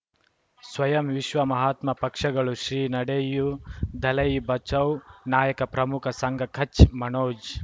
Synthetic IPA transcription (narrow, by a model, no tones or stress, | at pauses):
sʋɐjɐmʋiʃʋɐmɐɦaːt̪mɐpɐkʂɐɡɐɭuʃɾiːnɐɽejud̪ʱɐlɐjbɐt͡ʃɐwnaːjɐkɐpɾɐmukʰɐsɐŋɡʱɐkʰɐt͡ʃmɐnoːd͡ʒ